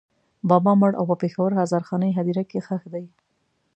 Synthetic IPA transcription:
bɑbɑməɽʔa̰wpəpexawəɾɦazɑɾxɑnəjɦad̪iɾakexəxd̪aj

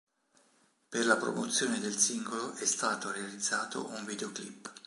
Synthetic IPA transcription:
perlapɾo̰mot̪sːjoːned̪elsiŋɡoloʔɛst̪aːt̪oɾealid̪zːaːt̪o̰ʔuɱvid̪eoklipː

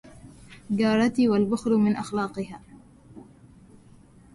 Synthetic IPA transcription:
ɡɑːɾˤɑt̪iːwalbʊxɾmɪnʔaxlɑːqɨhaː

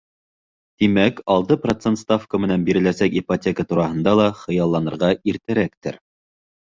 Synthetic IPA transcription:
t̪imækɑlˠt̪ɤprot̪sent̪st̪afkəmɘ̆nænbiɾɘ̆læsækipotʲekət̪uɾɑhɤ̆nd̪ɑlˠɑχɤ̆jɑlˠːɑnɤ̆ɾʁɑiɾt̪æɾækt̪ɘ̰ɾ

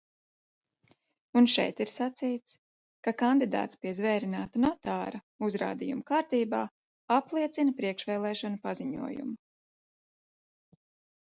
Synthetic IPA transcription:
unʃɛ̰jt̪iɾsat̪sijt̪s | kakand̪id̪a̰ːt̪spiɛzvɛːɾinaːt̪anɔt̪aːɾɐ | uzɾa̰ːd̪ijṵmukaːɾt̪iːbaː | aplˠiɛt̪sinpɾiɛkʃvɛːlˠɛːʃɔnupaziɲṵɔjṵmu

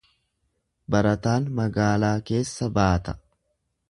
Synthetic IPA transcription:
bɐɾɐt̪aːnmɐɡaːlaːke̞ːsːɐbaːt̪ɐ̥

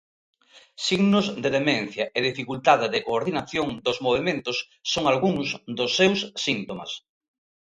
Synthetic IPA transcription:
siɣnozðeðemẽnθjɐʔeðifikult̪aðɪðɪkoːɾðinaθjoŋd̪ozmoβ̞emẽnt̪ʊsː | oŋalɣuŋsd̪osːewsːint̪oma̰s

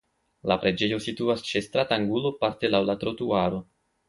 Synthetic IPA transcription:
lapɾe̞d͡ʒe̞jo̞situast͡ʃe̞st̪ɾataŋɡulo̞paɾte̞lawlatɾo̞tuaɾo̞

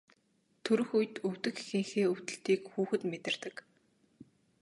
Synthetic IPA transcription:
t̪ʰɵɾɵ̆xujt̪ɵw̥t̪ɘ̆xexɘ̆ŋxeːɵwt̪ɘ̆ɬt̪iːkxuːxɘ̆t̪met̪ɪ̆r̥t̪ɘ̆k

